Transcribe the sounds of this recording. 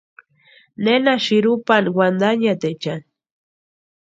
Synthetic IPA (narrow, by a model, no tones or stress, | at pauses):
nenaʃiɾupanwand̪aɲat̪et͡ʃan